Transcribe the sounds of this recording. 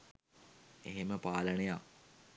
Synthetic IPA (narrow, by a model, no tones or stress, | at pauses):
eɦeməpaːləneja